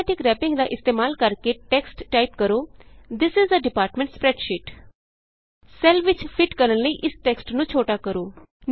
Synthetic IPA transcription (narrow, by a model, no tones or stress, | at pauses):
ʈɪkɾɛːpɪ̃ŋɡd̪aːʔɪst̪eːmaːlkəɾkeʈɛksʈːaːipkəɾoːd̪ɪsɪzəɖɪpaːɾʈmɛ̃ɳʈspɾɛːɖʃɪʈ | sɛlʋɪt͡ʃpʰɪʈkəɾənləiːʔɪsʈɛksʈnũːt͡ʃʰoːʈaːkəɾoː | n